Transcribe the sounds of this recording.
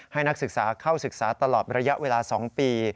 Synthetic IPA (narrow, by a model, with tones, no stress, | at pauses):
ha˥˩jna˦˥k̚sɯ˨˩k̚saː˩˦kʰaː˥˩wsɯ˨˩k̚saː˩˦t̪a˧lɔː˨˩t̪̚ɾa˧ja˦˥ʔweː˧laː˧sɔː˩˦ŋpiː˧